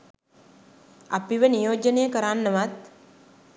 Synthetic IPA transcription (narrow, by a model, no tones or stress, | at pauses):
a̰piʋənijoːd͡ʒənejəkəɾanːəʋat̪̚